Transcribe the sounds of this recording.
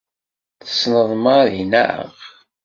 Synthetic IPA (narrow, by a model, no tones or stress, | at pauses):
θə̥snəðˤmaɾinæ̰ʕə̰ʁ